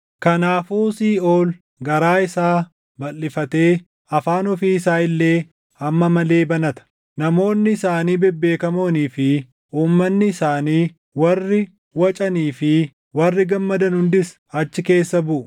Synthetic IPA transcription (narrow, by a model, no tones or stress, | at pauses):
kɐnaːfuːsiːo̞ːl | ɡɐɾaːɪsaː | bɐlːɪfɐt̪e̞ː | ɐfaːnɔfiːɪsaːɪlːe̞ː | ɐmːɐmɐle̞ːbɐnɐt̪ɐ̥ | nɐmo̞ːnːɪɪsaːniːbɛbːe̞ːkɐmo̞ːniːfɪ | ʔuːmːɐnːɪːsaːniː | wɐrːɪ | wɐt͡ʃʼɐniːfɪ | wɐrːɪɡɐmːɐd̪ɐnhʊnd̪ɪs | ɐt͡ʃːɪke̞ːsːɐbʊʔʊ